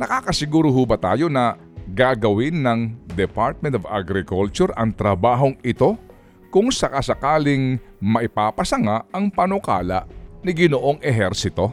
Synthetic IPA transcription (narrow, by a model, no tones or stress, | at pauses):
nɐkaːkɐsɪɡuːɾoɦuːbɐt̪aːjo̞nɐ | ɡaɡɐwɪnːɐŋd̪ɛpaɾt̪̚mɛnt̪ova̰ɡɾɪkolt͡ʃʊɾɐŋt̪ɾɐbaːɦo̞ŋɪt̪o̞ | kʊŋsɐkasɐkaːlɪŋmɐʔɪpaːpɐsɐŋaɐŋpɐnoka̰ːlɐ̰ʔnɪɡɪnoʔo̞ŋʔɛɦɛɾsɪt̪o̞